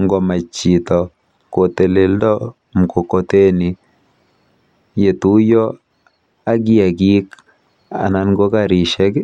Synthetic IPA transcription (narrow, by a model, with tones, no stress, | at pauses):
ŋɡɔ˨ma˨t͡ʃi˨tɔ˨ | ko˨t̪e˨le˨ldɔ˦ | m˨ko˨ko˨te˦ni˨ | je˨t̪u˦jɔ˦ | a˦ɡi˦a˨ɡi˦k | a̰˨na˨nɡo˦ka˨ɾi˨ʃɛ˦k